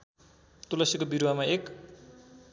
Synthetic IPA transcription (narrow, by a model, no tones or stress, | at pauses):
t̪ulʌsjikobiɾuwamaek